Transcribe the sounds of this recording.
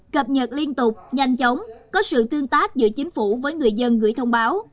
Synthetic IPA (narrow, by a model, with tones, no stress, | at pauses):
kə˨˩p̚ɲə˨˩t̚li˧ənt̪ʊ˨˩k͡p̚ɲa˨˩jŋ̟t͡ɕə˨˦wŋ͡mkɔ˨˦sɨ̰˧˨t̪ɨ˧əŋt̪aː˦˥k̚zɨ̰˧˥t͡ɕï˨˦ŋ̟fu˧˩vəː˨˦jŋɨ˨˩əjzə˧nɣɨ̰˧˩əjt̪ʰə˧wŋ͡mɓaː˨˦w